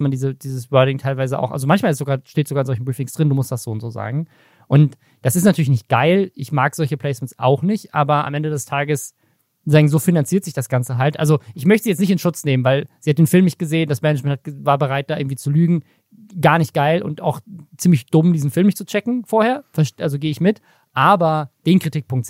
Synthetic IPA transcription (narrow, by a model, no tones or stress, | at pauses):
mandiːzəd̥iːzəsbœɐdɪŋtʰaɪlvaɪzəʔa̰ʊxʔa̰lzomançmaːlɪstz̥oːɡaːɐʃteːtz̥oɡaːɪnzɔlçn̩bʁiːfɪŋsd̥ʁɪnduːmʊstd̥asz̥oːʊntz̥oːza̰ːɡŋ̩ | ʔʊnt | d̥asɪstnatʰyːɐlɪçnɪçt̚ɡ̥aɪlʔɪçmaːkz̥ɔlçəplɛɪsmɛnsʔa̰ʊxnɪçtʔa̰ːbɐa̰mʔɛndədɛstʰaːɡəs | zaːɡŋzoːfinant͡siːɐtz̥ɪçd̥asɡ̥ant͡səɦaltʔa̰lzoʔɪç̬mœçtəzijɛt͡stnɪçtɪnʃʊt͡sneːmənvaɪlz̥iːhatdeːnfɪlmːɪçt̚ɡ̥əzeːəndasmɛnɪt͡ʃmɛntʰatvaːɐbəʁaɪt̚d̥aːʔɪɐŋ̩tv̥it͡sulyːɡŋ̩ | ɡaːɐnɪçt̚ɡ̥aɪlʊ̰nta̰ʊxt͡siːmlɪçd̥ʊmdiːzn̩fɪlmɪçt͡sut͡ʃɛkŋ̩foːɐheːɐfɛɐʃtʔalzoɡeːəɪçmɪt | ʔaːbɐd̥eːnkʁ̥itiːk̚pʰʊŋkt